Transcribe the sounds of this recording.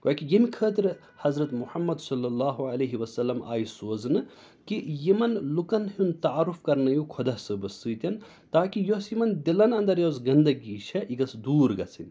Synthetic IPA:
koːkijɐmikʰəːt̪iɾ | hɐzɾɐt̪muħɐmːɐd̪sɐlːɐlːaːɦuɐlɐːɦiʋɐsɐlːɐma̰ːjsoːznɨ | kijimɐnlukɐnɦunt̪ɐaɾufkɐɾnɐjukʰod̪ɐsɨbɐsɨːt̪ʲɐn | t̪aːkijosjimɐnd̪ilɐnɐnd̪ɐɾjoːzɡɐnd̪ɐɡiːʃʰɐʔiɡɐsd̪uːɾɡɐt͡sʰinʲ

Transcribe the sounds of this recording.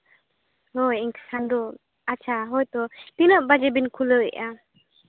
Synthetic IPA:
hojiŋkə̥sandɔ | at͡ʃʰaɦɔjt̪ɔt̪inəp̚bad͡ʒɛbinkʰuləḭʔa

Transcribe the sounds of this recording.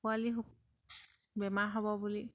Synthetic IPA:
ualiɦuk | bɛmaɹɦɔbɔbuli

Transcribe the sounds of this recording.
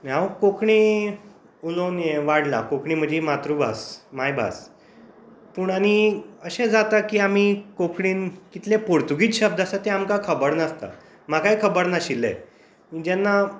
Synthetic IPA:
maʋkokʰɳiː | ulonjeʋaɽla̰kokʰɳiːm̤əd͡ʑimat̪ɾubʱa̰smajbʱa̰s | puːɳañiəɕẽd͡zat̪akiːam̤ikokʰɳiːnkit̪lepoɾt̪uɡiːt͡sɕəb̚d̪asat̪eamkakʰəbəɽnəst̪a̰ | m̤akajkʰəbəɽnaɕilːḛ | id͡ʑɛnːa

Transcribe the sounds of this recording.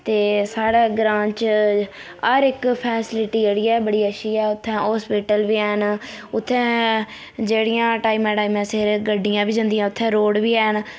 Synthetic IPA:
t̪eːsaːɽeːɡɾãːt͡ʃ | əɾɪkpʰɛːsɪlɪʈiːd͡ʒeːɽiːɛːbəɽiːəʃiːɛːʊt̪ʰːɛ̃ːɦɔːspiːʈəlʋiːɛːɦnʊt̪ʰːɛ̃ː | d͡ʒeːɽijãːʈaːimɛ̃ːʈaːiːmɛ̃ːsɪɾɡəɖːijãːbiːd͡ʒə̃nd̪ijãːʊt̪ʰːɛ̃ːɾoːɽʋiːɛːɦən

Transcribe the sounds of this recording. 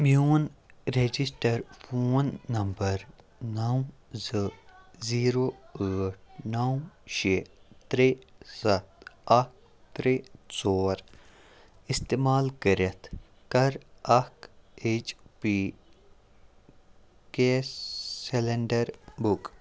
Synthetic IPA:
mjuːn | ɾed͡ʒisʈəɾfoːnːɐmbəɾ | nãzəziːɾoːəːʈ̚ʰnaːũʃeːt̪ɾeːsɐt̪̚ɐk̚ | t̪ɾeːsoːɾ | ɪst̪eːmaːlkəɾɐt̪ʰ | kɐɾɐket͡ʃpiː | keseleɳɖəɾbʊk

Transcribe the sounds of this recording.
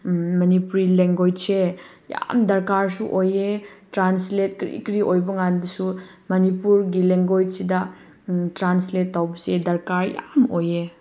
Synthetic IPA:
mɐnipuɾileŋɡojse | ja̰mdɐɾkaɾsuʔojetɾanslet̚kɾḭkɾiʔojbɐŋandisu | mɐnipuɾɡileŋɡojsidɐ | tɾansletːawbɐsedɐɾkaɾja̰moje

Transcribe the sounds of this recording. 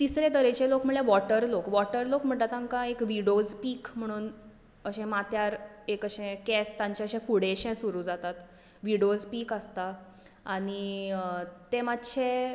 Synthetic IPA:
t̪isɾet̪əɾet͡ɕelokm̤əɽleʋɔʈəɾlokʋɔʈəɾlokm̤əɳʈlat̪ãŋkaekʋiɽod͡zpiːkm̤əɽ̃uːn | əɕɛ̃mat̪jaɾekəɕẽkɛst̪ãɲt͡ɕeəɕẽfuɽeɕẽsuɾuːd͡zat̪at̪ | ʋiɽod͡zpiːkəst̪a | aɽ̃i | t̪emat̪ːɕʰẽ

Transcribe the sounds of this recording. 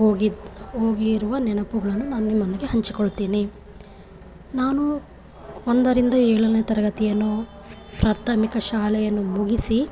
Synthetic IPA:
ɦoːɡiɦoːɡiɾuʋɐnɛnɐpuɡɐɭɐnːunaːnunimːɐnd̪iɡeɦɐɲt͡ʃikoɭt̪iːni | naːnu | ond̪ɐɾind̪ɐɛːɭɐnet̪ɐɾɐɡɐt̪ijɐnːo | pɾaːɾt̪ʰɐmikɐʃaːlɛjɐnːumuɡisi

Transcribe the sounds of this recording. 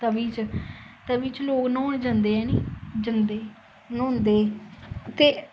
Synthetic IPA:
t̪əbiːt͡ʃt̪əbiːt͡ʃloːknoːnd͡ʒãnd̪eːɛːniːd͡ʒənd̪eː | nõːnd̪eːt̪eː

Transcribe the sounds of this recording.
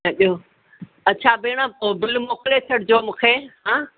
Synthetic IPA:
əɗijo | ɐt͡ɕʰaːbeːɽ̃ãbɪlmoːklet͡ɕʰɐɽd͡ʑoːmũːkʰeːɦãː

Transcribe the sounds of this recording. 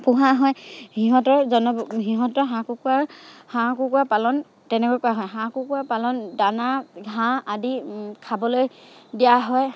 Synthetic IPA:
pʊɦaɦɔjhiɦɔ̃tɔɹzɔnɔɦiɦɔ̃tɔɹɦãkukuaɹhãkukuapalɔn | tɛnɛkɔjkʊaɦɔjɦãkukuapalɔndanaɡʱãadikʰabɔlojdijaɦɔj

